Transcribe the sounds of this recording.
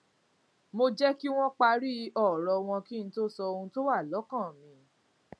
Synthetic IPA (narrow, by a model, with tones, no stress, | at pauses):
mo˧d͡ʒɛ˦ki˦w̃ɔ̃˦k͡pa˧ɾi˦ɔ˦˨ɾɔ˧w̃ɔ̃˧ki˦n̩˦to˦sɔ˧o˧ũ˧to˦wa˦˨lɔ˨˦kã˦˨mĩ˨˧˦